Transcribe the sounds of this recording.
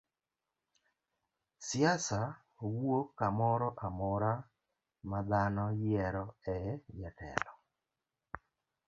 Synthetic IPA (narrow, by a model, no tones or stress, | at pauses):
sɪasa | wokːamɔɾɔʔamɔɾa | mad̪anɔjɛɾɔɛjɛtɛ̰lɔ